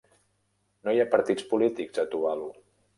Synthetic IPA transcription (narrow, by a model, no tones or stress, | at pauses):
nojapəɾt̪it͡spulit̪ikzət̪uβalu